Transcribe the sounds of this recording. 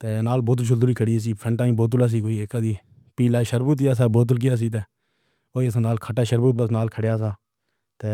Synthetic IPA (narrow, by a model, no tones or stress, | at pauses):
t̪eːnaːlboːt̪əlʃʰʊld̪uɾiːkʰəɽieːs̬iːpʰɾəɳʈaːĩːboːt̪̬ʊlaːs̬iːkoːiːeːkaːd̪iː | piːlaːiʃəɾbuːt̪ɪjaːs̬aːboːt̪əlk̬ɪjaːs̬iːt̪̬eː | oːiəs̬ãːnaːlkʰəʈaːʃəɾbuːt̪̚bəsnaːlkʰəɽjaːs̬aː | t̪eː